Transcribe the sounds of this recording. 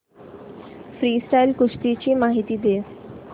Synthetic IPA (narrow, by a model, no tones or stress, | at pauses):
fɾiːsʈajlkuʂʈ̪it͡ɕiːmaɦit̪iːd̪e